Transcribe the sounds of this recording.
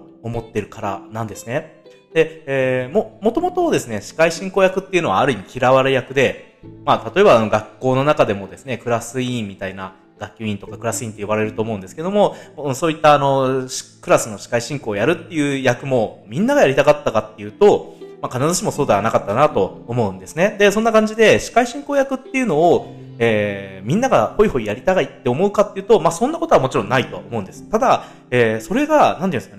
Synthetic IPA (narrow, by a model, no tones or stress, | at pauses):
o̞mo̞t̪ːe̞ɾɯ̟kaɾa̰nãnd̪e̞sɨ̥ne̞ | d̪̥e̞emomo̞t̪o̞mo̞t̪o̞d̪e̞sɨne̞ɕi̥kaiɕĩŋkoːjakɯ̟t̪ːe̞iɯ̟no̞βaːɾɯ̟im̟ikʲiɾaβaɾejakɯ̟d̪e̞ | mat̪at̪o̞e̞baːno̞ɡakːo̞ːno̞nakad̪e̞mo̞d̪e̞sɨne̞kɯ̟ɾasɨĩːit̪aina | ɡ̥akʲːoĩnt̪o̞kakɯ̟ɾasɨĩnt̪e̞jobaɾe̞ɾɯ̟t̪o̞ːmo̞ɯ̟nd̪sɨ̥ke̞d̪o̞mo̞soːit̪ːaːno̞̥kɯ̟ɾasɨno̞ɕi̥kaiɕĩŋko̞ːjaɾɯ̟t̪ːe̞jɯ̟ːjakɯ̟mo̞mʲĩnːaɡajaɾʲit̪akat̪ːakat̪ːe̞jɯ̟ːt̪o̞makanazɨɕimo̞soːd̪e̞βanakat̪ːanat̪o̞ːmo̞ɯ̟̃nd̪e̞sɨned̪e̞sõ̞nːakãɲ̟d͡ʑid̪e̞ɕi̥kaiɕĩŋko̞ːjakɯ̟t̪ːe̞jɯ̟no̞ː | eːmʲĩnːaɡaho̞iho̞ijaɾʲit̪aɡait̪ːe̞o̞mo̞ɯ̟kat̪ːeiɯ̟ːt̪o̞masõ̞nːako̞t̪oamo̞t͡ɕiɾõ̞nːait̪o̞omo̞ɯ̟nd̪e̞sɨ̥t̪ad̪a | eːso̞ɾe̞ɡanãnt̪eɯ̟̃skane